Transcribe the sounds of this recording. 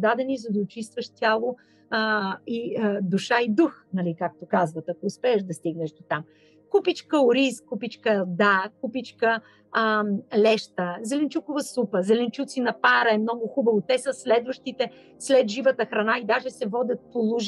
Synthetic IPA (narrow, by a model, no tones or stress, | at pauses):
d̪ad̪ɛnizɐd̪ɐot͡ʃist̪vəʃt̪ʲalˠo | id̪uʃaid̪uxnɐlikak̚t̪okazvət̪ɐkoːspɛɛʃd̪ɐst̪iɡnɛʃd̪ot̪am | kupit͡ʃkəʊɾiskupit͡ʃkəd̪akupit͡ʃkə | lɛʃt̪əzɛlɛnt͡ʃukʊvɐsupəzɛlɛnt͡ʃut̪sinɐpaɾɐɛmnɔɡʊxubəvot̪ɛsəslɛd̪vəʃt̪it̪ɛ | slɛd̪ʒivət̪əxɾɐnaid̪aʒɛsɛvɔd̪ʲɐt̪̚polˠuʒ